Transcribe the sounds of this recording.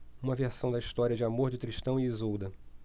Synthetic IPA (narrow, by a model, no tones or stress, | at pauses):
ũmɐveɾsɐ̃w̃d̪ɐiʃt̪ɔɾiɐd͡ʒɪamoɾd͡ʒɪt̪ɾiʃt̪ɐ̃w̃iizud̪ɐ